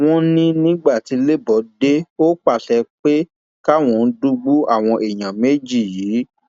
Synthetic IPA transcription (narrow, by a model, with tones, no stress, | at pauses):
w̃ɔ̃˧nĩ˦nĩ˦ɡ͡ba˦˨ti˨˦le˦bɔ˨˦de˦o˦k͡pa˦˨tɛ˧k͡pe˦ | ka˦w̃ɔ̃˧˦du˧ɡ͡bu˦a˦˨w̃ɔ̃˧ʔe˨j̃ã˨me˨˦d͡ʒi˦˨jiː˨˦